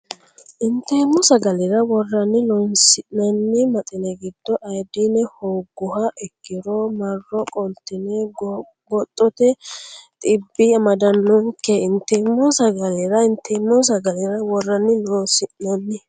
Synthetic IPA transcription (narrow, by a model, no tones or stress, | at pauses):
ʔɪnt̪ːɛmːɔsɐɡɐlɪɾɐwɔrːɐnːɪnoːnsɪʔnɐnːɪmɐt̪ʼɪnɛɡɪd̪̥ːɔʔɐjd̪ɪnɛhowɡːʊhɐʔɛkːɪɾɔmɐrːɔkʼɔnt̪ːɪnɛ | ɡɔt̪ʼːɔt̪ɛt̪ʼɪbːɪɐmɐd̪ɐnːɔŋkːɛɪnt̪ːɛmːɔsɐɡɐlɪɾɐɪnt̪ːɛmːɔs̬ɐɡɐlɪɾɐwɔrːɐnːɪnoːsɪʔnɐnːɪ